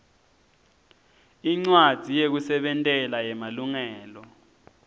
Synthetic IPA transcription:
iŋ͡ǀwad̥ʱijek̬usɛɓɛntʼɛlajɛmaluŋɛːlɔ

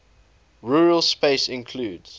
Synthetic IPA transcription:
ɹuːɹəlˠspeɪsɪ̃nkʰluːdz̥

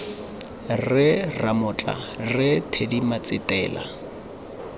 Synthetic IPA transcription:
rɪramʊt͡ɬʼa̰rɪtʰedimat͡sʼɪtʼɛːla̰

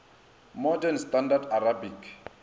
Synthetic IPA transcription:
mɔdɛnstʼandadarabik

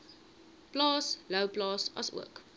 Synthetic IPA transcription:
b̥lɑːsləʊblɑːsɑ̰sə̰k

